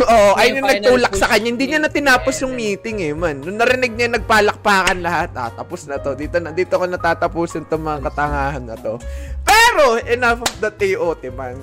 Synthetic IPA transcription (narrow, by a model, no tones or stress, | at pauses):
ʔoːʔoʔɐjɲʊŋnɐɡ̚t̪uːlɐk̚sɐkɐɲːahɪnd̪iɲɐnɐt̪ɪnaːposjʊŋmiːt̪ɪŋɛmanːʊŋnɐɾɪnɪɡ̚ɲaŋnɐɡ̚paːlɐk̚paːkɐnlɐhat̪̚ʔa̰t̪ɐposnɐt̪o̞d̪iːt̪onɐd̪iːt̪okɐnɐt̪aːt̪ɐpuːsɪnt̪oŋmɐŋakɐt̪ɐŋaːhɐnːɐt̪o̞pɛːɾo̞ʔɛnafd̪ɐt̪̚ɛjʔoːt̪ɪman